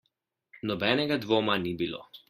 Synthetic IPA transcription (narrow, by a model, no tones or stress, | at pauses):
nɔbɛːnɛɡad̪ʋoːmanibilo̰